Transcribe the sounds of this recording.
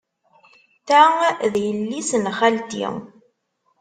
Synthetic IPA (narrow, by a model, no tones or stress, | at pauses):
θæðjəlːisənχælt̪ḭŋ